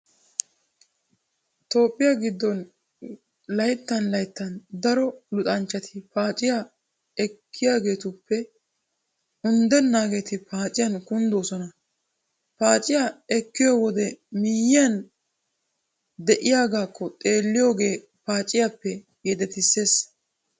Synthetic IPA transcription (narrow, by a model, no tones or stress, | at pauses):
t̪o̞ːpʼːɪjaɡɪd̪ːɔn | lɐjt̪ːɐnlɐjt̪ːɐnd̪ɐɾɔlʊt̪ʼɐnt͡ʃːɐt̪ʰɪpaːt͡ʃʼɪja | ɛkːɪjaːɡe̞ːt̪ʊpːɛ | ʊnd̪ɛnːaːɡe̞ːt̪ɪpaːt͡ʃʼɪjɐnkʊnd̪oːsɔnɐ | paːt͡ʃʼɪjaɛkːɪjowɔd̪ɛmɪjɪjɐn | d̪ɛʔɪjaːɡaːkːɔt̪ʼe̞ːlːɪjo̞ːɡe̞ː | paːt͡ʃʼːɪjapːɛ | jɛd̪ɛt̪ɪsːe̞ːs